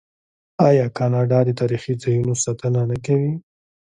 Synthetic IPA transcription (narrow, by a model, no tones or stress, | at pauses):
ɑjɑkɑnɑɖɑd̪ət̪ɑɾixizɑjunosat̪ənanakawi